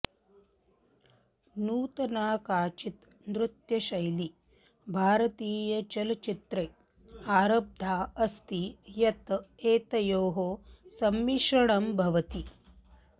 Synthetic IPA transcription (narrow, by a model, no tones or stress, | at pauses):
nuːt̪ɐnaːkaːt͡ʃit̪ | nɾut̪jɐʃɐjli | bʱaːɾɐt̪iːjɐt͡ʃɐlɐt͡ʃit̪ɾɐj | aːɾɐb̚d̪ʱaːɐst̪ijɐt̪eːt̪ɐjoːɦoːsɐmːiʃɐɳɐmbʱɐʋɐt̪i